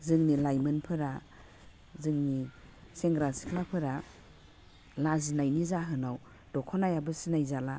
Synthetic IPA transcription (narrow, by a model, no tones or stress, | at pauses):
zɯŋnilajmɯnpʰɯɾa | zɯŋni | seŋɡɾasi̥kʰlapʰɯɾa | lazinajnizaɦɯnaw | dɔkʰɔnajabɯsinajzala